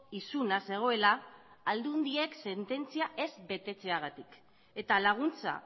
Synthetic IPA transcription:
isunase̞ɣ̞o̞e̞laːld̪und̪ie̞kse̞nt̪e̞nt͡siaʔe̞zbe̞t̪e̞t͡se̞aɣ̞at̪ik | e̞t̪alaɣ̞unt͡sa̰

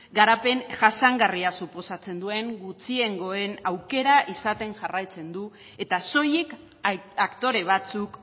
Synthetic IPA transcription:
ɡaɾape̞ŋʝasaŋɡariasupo̞sat͡se̞nd̪ue̞ŋɡut͡sie̞ŋɡo̞e̞nawke̞ɾaʔisat̪e̞nʝarajt͡se̞nd̪u | e̞t̪aso̞jik | akt̪o̞ɾe̞β̞at͡suk

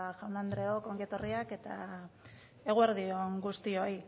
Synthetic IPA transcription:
ʝawnand̪ɾe̞oko̞ŋɡiet̪o̞riake̞t̪a | e̞ɣ̞ueɾðio̞ŋɡust̪io̞j

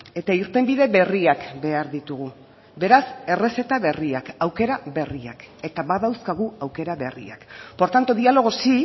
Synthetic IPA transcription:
e̞t̪aiɾt̪e̞mbiðe̞βe̞riakbe̞aɾðit̪uɣu | be̞ɾase̞re̞se̞t̪aβe̞riakawke̞ɾaβe̞ria̰ke̞t̪aβaðawskaɣ̞uawke̞ɾaβe̞rḭa̰kpo̞ɾt̪ant̪o̞ðialo̞ɣ̞o̞si

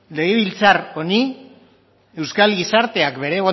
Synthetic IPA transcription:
le̞ɣ̞e̞β̞ilt͡saro̞ni | e̞wskalɣisaɾt̪e̞akbe̞ɾe̞ɣo

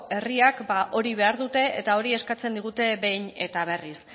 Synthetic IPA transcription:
e̞riakbaʔo̞ɾiβ̞e̞aɾðut̪e̞ḛt̪ao̞ɾie̞skat͡se̞nd̪iɣ̞ut̪e̞be̞jɲe̞t̪aβ̞e̞ris

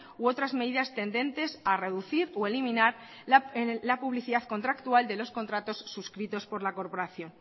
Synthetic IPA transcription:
wo̞t̪ɾazmeðiðast̪e̞nd̪ẽ̞nt̪e̞sare̞ðuθiɾoe̞limĩnaɾ | lapuβliθiðaðko̞nt̪ɾakt̪uald̪e̞lo̞sko̞nt̪ɾat̪o̞sːuskɾit̪o̞spo̞ɾlako̞ɾpo̞ɾaθjo̞n

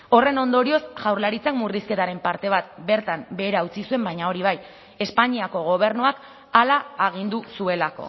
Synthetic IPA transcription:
o̞re̞no̞nd̪o̞ɾio̞sʝawɾlaɾit͡sakmuriske̞t̪aɾe̞mpaɾt̪e̞β̞at̪be̞ɾt̪ambe̞ːɾaut͡sisue̞mbajɲao̞ɾiβ̞aj | e̞spaɲiako̞ɣ̞o̞β̞e̞ɾnuak | alaːɣ̞ind̪usue̞lako̞̰

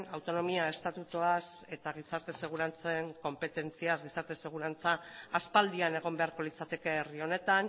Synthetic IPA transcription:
nawt̪o̞no̞miae̞st̪at̪ut̪uase̞t̪aɣ̞isaɾt̪e̞se̞ɣ̞uɾant͡seŋko̞mpe̞t̪e̞nt͡siazɡisaɾt̪e̞se̞ɣ̞uɾant͡saːspald̪iane̞ɣ̞o̞mbe̞aɾko̞lit͡sat̪e̞ke̞ːrio̞ne̞t̪an

